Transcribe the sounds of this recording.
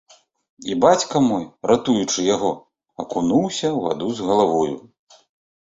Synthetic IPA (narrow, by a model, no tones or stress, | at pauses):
ibat͡sʲkɐmɔjɾat̪ujut͡ʂɨjaɣɔ | ɐkunuwsʲɐwva̰d̪uzɣɐlˠavɔjṵ